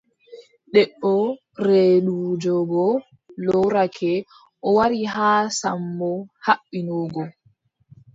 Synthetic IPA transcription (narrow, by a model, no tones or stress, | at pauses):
ɗɛʔɔ | ɾeːɗud͡ʒɔɡɔ | lɔwɾakʰɛ | ʔɔwaɾiɦaːsambɔhaɓːinɔːɡɔ